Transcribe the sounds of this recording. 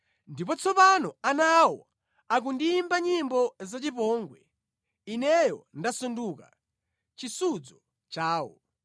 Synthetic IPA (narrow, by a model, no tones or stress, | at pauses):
ndipɔt͡sʰɔpanɔanawɔ | ak̬undimbaɲimbɔzat͡ʃipɔːŋɡwɛ̰ | inɛjɔndasunduka̰ | t͡ʃisud͡zɔ | t͡ʃaːwɔ̰